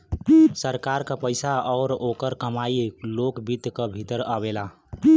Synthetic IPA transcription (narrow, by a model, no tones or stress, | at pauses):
səɾkaɾkəpəɪsaɔːɾokəɾkəmailokbit̪kəbʱit̪əɾəβela